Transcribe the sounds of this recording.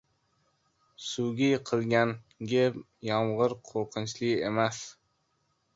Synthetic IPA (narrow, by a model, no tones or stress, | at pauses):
sʊɡʲɪqʰɨlˠɡʲan | ɡʲe | jɒmʁɨɾqʰoɾqʰɨnt͡ʃlɪemas